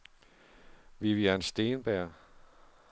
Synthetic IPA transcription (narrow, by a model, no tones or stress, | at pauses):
ʋiʋiænsd̥e̝ːnb̥æɐ̰